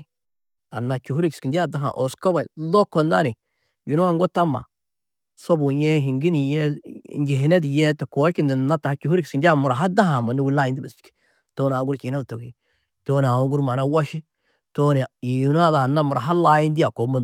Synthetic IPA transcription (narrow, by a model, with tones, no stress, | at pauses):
a˨nːa˨t͡ʃu˨ɦu˦ɾi˦kski˨ndi˦a˦da˦ɦa̰˨ʔo˨sko˦ba˨i˨lo˦ko˨nda˦ni˨ | ju˨nu˦a˦˨ŋɡo˦ta˦ma̰˨ | so˦bu˨jɛ˦ɦi˨ŋɡi˦ni˨jɛ˦˨nd͡ʒi˨ɦi˨ne˦di˨jɛ˦te˨ko˨˦ki˦ndi˨na˦ta˨ha˦t͡ʃu˨hu˦ɾi˦kski˨ndi˦a˦mʊ˨ɾa˨ɦa˦da˦ɦa˨ma˨ni˦wi˦la˦ji˦ndi˦ba˨st͡ʃki̥˨ | toː˦n˨a˨˦ɡuɾt͡ʃi˨˦a˦˨to˨ki˦ | to˦n˨a˨wo˦ɡu˦ɾma˨na˦wa˦ʃi˦ | to˦ni˨ji˨n˦a˦da˨na˦mu˨ɾa˨ɦa˦la˦ji˦ndi˦ja˨ko˨˦ma˦